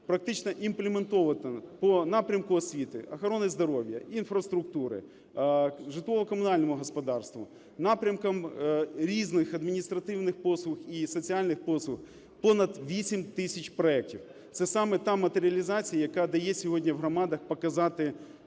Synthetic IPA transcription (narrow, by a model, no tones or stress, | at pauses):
pɾɐk̚t̪ɪt͡ʃnɐʔimplʲement̪ɔʋɐt̪ɐpɔnɑpɾʲɐmkʊɔsʲʋʲit̪ɪ̰ɐxɐɾɔnɪzd̪ɔɾɔʋʲjɐ̰infɾɐst̪ɾʊk̚t̪uɾɪ̰ | ʒɪt̪ˠɔʋɔkɔmʊnɑlʲnɔmʊɦɔspɔd̪ɑrst̪ʋʊ̰ | nɑpɾʲɐmkɐmɾʲiznɪxɐd̪mʲinʲist̪ɾɐt̪ɪwnɪxpɔslˠʊxisɔt͡sʲialʲnɪxpɔslˠʊx | pɔnɐd̪ʋʲisʲimt̪ɪsʲɐt͡ʃpɾɔɛk̚tʲiw | t̪sɛsɑmɛt̪ɑmɐt̪eɾʲɪɐlʲizɑt͡sʲijɐjɐkɑd̪ɐjɛsʲɔɦɔdʲnʲɐwɦɾɔmɑd̪ɐxpɐkɐzɑt̪ɪ